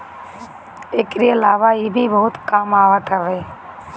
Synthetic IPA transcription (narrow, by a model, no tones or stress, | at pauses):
eːkɾiːəlaːʋaːɦiːbʱiːbəɦʊt̪kaːmaːʋat̪əʋeː